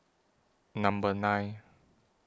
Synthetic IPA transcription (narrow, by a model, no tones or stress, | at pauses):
nãmbənaj